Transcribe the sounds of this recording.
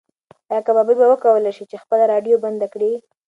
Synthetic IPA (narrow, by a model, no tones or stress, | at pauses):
jakababibawəkawəlajʃit͡ʃexpəlaɾɑɖjoband̪akɽi